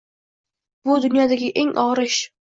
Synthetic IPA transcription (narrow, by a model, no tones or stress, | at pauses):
bʊd̪ʊnjɒd̪aɡʲɪʔe̞ŋʔɒʁɾɪʃ